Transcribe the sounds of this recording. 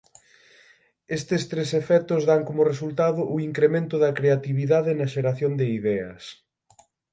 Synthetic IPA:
est̪ɪst̪ɾesefɛt̪ʊzðaŋkomʊresult̪aðʊʔiŋkɾemẽnt̪ʊðɐkɾeat̪iβiðaðɪnɐʃeɾaθjond̪ɪiðɛɐ̰s

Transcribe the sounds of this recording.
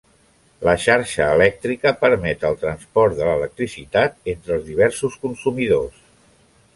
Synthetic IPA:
ləʃaɾʃəːlɛk̚t̪ɾikəpəɾmɛt̪əlˠt̪ɾənspɔɾt̪d̪ələlək̚t̪ɾisit̪at̪ent̪ɾəlˠzðiβ̞ɛɾsuskunsumiðos

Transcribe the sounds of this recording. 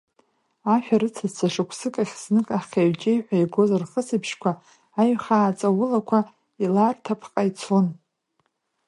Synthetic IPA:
aʃᶣaɾɨt͡sʰazt͡sʰaʂɨkʷʰsɨkʼaχʲsnɨkʼaχʲaɥt͡ʃʼejħʷᶣajɡo̞zarχəsɨpʰʃkʷʰaː | ɥχaːt͡sʼawʊlakʷʰa | ilartʰapʰqʼajt͡sʰon

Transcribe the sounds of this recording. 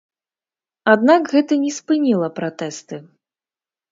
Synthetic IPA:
ad̪nakɣɛt̪ɐnʲɛspɨnʲilˠɐpɾat̪ɛst̪ɨ

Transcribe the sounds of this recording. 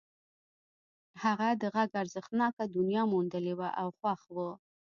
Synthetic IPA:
haɣad̪əɣaɡaɾzəxt̪nɑkad̪ʊnjɑmund̪əlewaʔawxwaxwə

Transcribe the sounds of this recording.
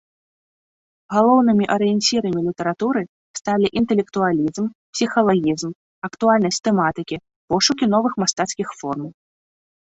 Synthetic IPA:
ɣalˠɔwnɨmʲiʔɐɾɨjɛnʲt͡sʲiɾɐmʲilʲit̪ɛɾat̪uɾɨ | st̪alʲiʔint̪ɛlʲɛkt̪ualʲizmpsʲixɐlˠaɣʲizm | ɐkt̪ualʲnɐsʲtʲt̪ɛmat̪ɨkʲi | pɔʂukʲin̪ɔvɨxmast̪at̪skʲixfɔrmɐw

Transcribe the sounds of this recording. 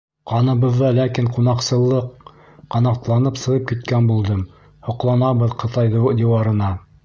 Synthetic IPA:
qɑnɤ̆βɤ̆ðːɑlækiɴqunɑqsɤ̆lˠːɤq | qːɑnɑqt̪lˠɑnɤpsɤ̆ʁɤp̚kit̪̚kænbulˠd̪ɤm | hŏqlˠɑnɑβɤðqɤ̆t̪ɑjðd̪iwɑɾɤ̆nɑ

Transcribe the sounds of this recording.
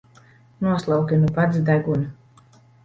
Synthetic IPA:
nuɔslˠawkʲinupat̪sd̪æɡunu

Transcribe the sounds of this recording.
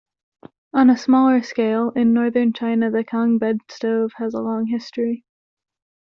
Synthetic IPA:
ə̃nəsmɔlˠə˞skeɪlˠɪ̃nːɔɹðə̃˞nt͡ʃʰãɪ̃nɨðɨkʰɑ̃ŋbɛdstoʊv̥ɨzəlɔ̃ŋɦɪstɹ̥i

